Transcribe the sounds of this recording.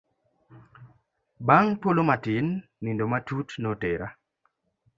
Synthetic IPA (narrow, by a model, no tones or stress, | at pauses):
baŋpolomatɪnː | indomatutnoteɾa